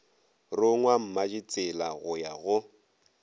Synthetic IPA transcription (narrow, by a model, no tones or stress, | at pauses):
rʊŋwam̩mad͡ʒit͡sʼɪlaɣʊjaɣʊ